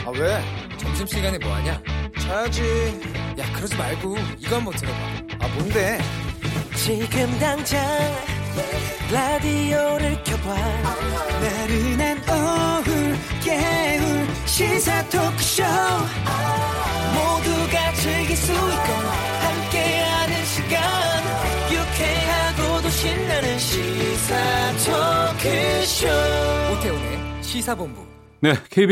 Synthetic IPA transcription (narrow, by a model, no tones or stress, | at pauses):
a̰we̞t͡ɕʌmɕ̬ʰimɕʰiɡanemoa̰ɲat͡ɕʰajd͡ʑijakɯɾʌd͡ʑimaɭɡuiɡʌnmwʌtʰɯɾʌt͈aamonde̞ | t͡ɕiɡɯmdaŋd͡ʑaŋ | ladioɾɯɭkjʌbwannaɾinanʌɯɭkeuɭ | ɕisʰatʰokʰɯ̥ɕo | moduɡat͡ɕʰeɭɡesuikan | hamk͈eɦanɯnɕʰiɡan | jukʰeɦaɡod̪oɕʰinːanɯnɕʰisʰatʰokʰeɕootʰeoneɕisʰabombṵ | ne̞kʰeib